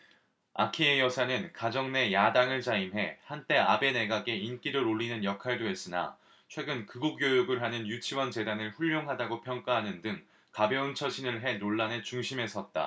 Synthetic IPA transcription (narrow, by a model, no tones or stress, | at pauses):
a̰kʰiejʌsʰanɯnkad͡ʑʌŋne̞jadaŋɯɭt͡ɕaimɦe̞hant͈e̞abe̞ne̞ɡaɡe̞ink͈iɾɯɾoʎːinɯnjʌkʰaɭdoes͈ɯna̰ | t͡ɕʰwe̞ɡɯnkɯɡukjojuɡɯɭɦanɯnjut͡ɕʰiwʌnt͡ɕe̞danɯɭɸuʎːoŋɦadaɡopʰjʌŋk͈aɦanɯndɯŋ | kabjʌɯnt͡ɕʰʌɕʰinɯɭɦe̞noɭːane̞t͡ɕuŋɕʰime̞s͈ʰʌt̚t͈a̰